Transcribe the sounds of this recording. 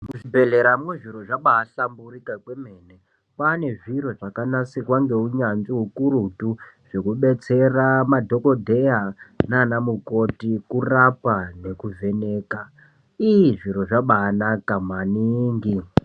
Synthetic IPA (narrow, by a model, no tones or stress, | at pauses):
muʐibʱe̞ɮe̞ɾamweʐiɾo̞ʐaɓaːsamburikakweme̞ːne | pane̞ʐiɾo̞ʐakanasekwaŋɡe̞uɲanziukuɾutu | ʐ̥e̞kuɓe̞t͡se̞ramadʱo̞ko̞dʱe̞janaaːnamuko̞tikurapane̞kuve̞ne̞ːka | iiʐiɾo̞ʐaɓaːnakamwaniːŋɡi